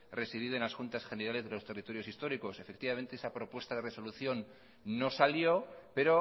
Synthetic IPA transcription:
re̞siðiðoe̞nlasxunt̪asxe̞ne̞ɾale̞zðelo̞st̪erit̪o̞ɾjosist̪o̞ɾiko̞se̞fe̞k̚t̪iβament̪e̞esapɾo̞pwe̞st̪aðe̞re̞so̞luθjo̞nː | o̞saljo̞pe̞ɾo̞

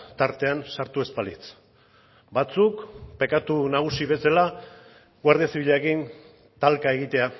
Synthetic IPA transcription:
t̪aɾt̪e̞ansaɾt̪ue̞spalit͡s | bat͡sukpe̞kat̪unaɣ̞usiβe̞sela | ɡwaɾð̞iasiβiʎeekin | t̪alkae̞ɣit̪e̞a

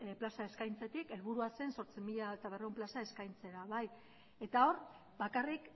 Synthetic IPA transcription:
plasae̞skajnt͡se̞t̪ike̞lβuɾuase̞nso̞ɾt͡simiʎaet̪aβ̞ereumplasae̞skajnt͡se̞ɾaβaj | e̞t̪ao̞ɾ | bakarik

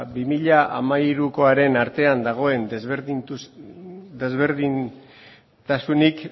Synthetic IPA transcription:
bimiʎaʔamaiɾuko̞aɾe̞naɾt̪e̞and̪aɣ̞o̞e̞nzɾinu | d̪e̞zβe̞ɾðin | t̪asunik

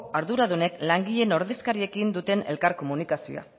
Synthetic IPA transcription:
aɾðuɾaðune̞klaŋɡiʎe̞no̞ɾðe̞skaɾie̞kind̪ut̪e̞ne̞̰lkaɾko̞munikasio̰a̰

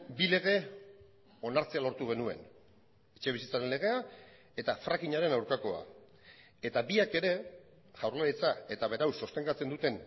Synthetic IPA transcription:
bile̞ɣ̞e̞ | o̞naɾt͡se̞alo̞ɾt̪uɣ̞e̞nue̞̰n | et͡ʃe̞β̞isit͡saɾe̞nle̞ɣ̞e̞a | e̞t̪afɾakiɲaɾe̞nawɾkako̞a̰ | e̞t̪abiake̞ɾe̞ | ʝawɾlalit͡sae̞t̪aβe̞ɾawsost̪e̞ŋɡat͡se̞nd̪ut̪e̞n

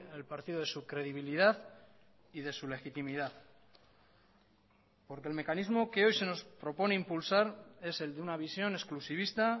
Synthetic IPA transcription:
elpaɾt̪iðoð̞esukɾe̞ðiβ̞ilið̞aθ | iðe̞sule̞xit̪imiðaθ | po̞ɾkelme̞kanizmo̞ke̞o̞jse̞no̞spɾo̞po̞ne̞impulsaɾe̞se̞ld̪eunaβ̞isjo̞ne̞sklusiβ̞ist̪a

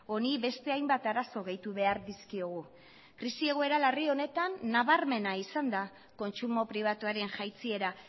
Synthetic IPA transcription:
o̞niβe̞st̪e̞ajmbat̪aɾaso̞ɣ̞e̞jt̪uβe̞aɾðiskio̞ɣ̞u | kɾisie̞ɣoe̞ɾalario̞ne̞t̪anːaβaɾme̞naisand̪a | ko̞nt͡sumo̞pɾiβ̞at̪uaɾe̞nʝajt͡sie̞ɾa

